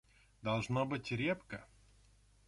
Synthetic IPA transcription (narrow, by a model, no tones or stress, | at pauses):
d̪ɐlˠʐnobɨtʲɾʲepkə